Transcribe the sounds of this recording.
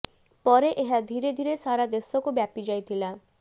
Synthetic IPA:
pɔɾeʔeɦad̪ʱiɾed̪ʱiɾesaɾad̪esɔkubjapid͡ʒajt̪ʰila

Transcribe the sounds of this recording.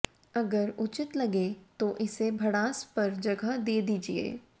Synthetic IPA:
ɐɡəɾʊt͡ʃɪt̪lɐɡet̪oʔɪsebʱɐɽaːspɐɾd͡ʒɐɡəd̪eːd̪iːd͡ʒiḛː

